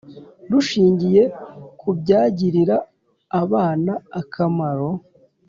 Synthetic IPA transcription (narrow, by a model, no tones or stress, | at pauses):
duʃiːɲɟije̞kʰubɟaːɟiɾiɾaː | βaːnaːkʰamaɾo̞